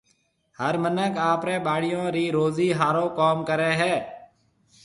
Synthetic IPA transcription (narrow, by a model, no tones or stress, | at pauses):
həɾmənəkaːpɾẽːɓaːɽɪjõːɾiːɾoːziːɦaːɾõːkoːmkəɾeːɦɛː